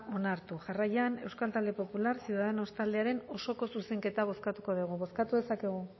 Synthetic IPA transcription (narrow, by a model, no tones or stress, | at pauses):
ʔo̞naɾt̪uʝarajane̞wskalt̪ald̪e̞po̞pulaɾsiuðaðeno̞st̪ald̪e̞aɾe̞no̞so̞ko̞suse̞ŋke̞t̪aβo̞skat̪uko̞ðuɣ̞uβo̞skat̪uðe̞sake̞ɣu